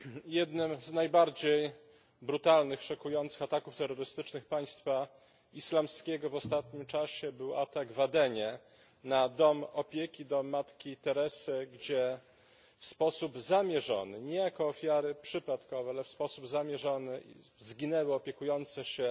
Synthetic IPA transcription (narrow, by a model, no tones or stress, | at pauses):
jɛd̪nɘmznajbaɾd͡ʑej | bɾut̪alnɘxʂɔkujɔnt̪sɘxat̪akuft̪ɛɾːɔɾɘst̪ɘt͡ʂnɘxpaj̃st̪fa | islamskʲɛɡɔvɔst̪at̪ɲimt͡ʂaɕɛbɘwa̰t̪aɡvad̪ɛɲɛ | nad̪ɔmɔpʲjekʲid̪ɔmat̪kʲit̪ɛɾɛsɘɡd͡ʑɛ | fspɔsubzamʲjɛʐɔ̰nɘɲɛjakɔːfʲjaɾɘpʂɘpat̪kɔvɛalɛfspɔsubzamʲjɛʐɔnɘḭ | zɡʲinɛwɘɔpʲjɛkujɔnt̪sɛɕɛ